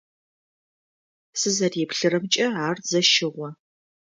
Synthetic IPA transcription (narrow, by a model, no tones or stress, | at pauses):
sɨzɐreːpɬɨrɐmt͡ʃʼɐaːrzɐʃɪʁʷɔ